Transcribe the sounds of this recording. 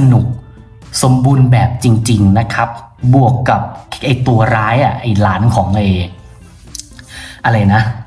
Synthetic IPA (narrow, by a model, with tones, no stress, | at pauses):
a˧nu˨˩k̚ | so˨˩˦mbuː˧nbɛː˨˩p̚t͡ɕi˧ŋt͡ɕi˧ŋna˦˥kʰa˦˥p̚bu˨˩əkːa˨˩p̚ʔa˨˩jt̪u˧ɐɾaː˦˥jʔa˨˩ʔa˨˩jlaː˩˦nkʰɔː˩˦ŋʔa˧j | ʔa˧ɾa˧jna˦˥